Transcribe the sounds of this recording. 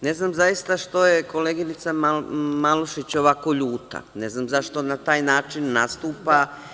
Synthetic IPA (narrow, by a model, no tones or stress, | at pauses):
ne̞znamzajist̪aʃt̪o̞jekoleːɡinit̪samamaluʃit͡ɕo̞ʋako̞ʎuːt̪a̰ne̞znamzaʃt̪o̞nat̪aːjnaːt͡ʃinːast̪uːpa